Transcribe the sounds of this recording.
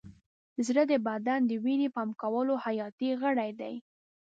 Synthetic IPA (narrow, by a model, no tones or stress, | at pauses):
zɾəd̪əbad̪and̪əwinepɑmkawəlohajɑt̪iɣəɽajd̪a̰j